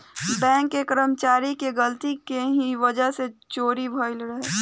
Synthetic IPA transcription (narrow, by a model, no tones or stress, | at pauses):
bɛ̃ːŋkːekəɾəmt͡ʃaːɾikeɡəlt̪ikeɦiʋɐd͡ʒəɦset͡ʃoːɾibʱəːɪlɾəɦeː